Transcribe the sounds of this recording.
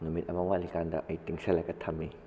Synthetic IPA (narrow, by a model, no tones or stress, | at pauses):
numit̚ɐmɐwalikandɐ̰ʔɐjtiŋsɐlɐɡɐtʰɐmːi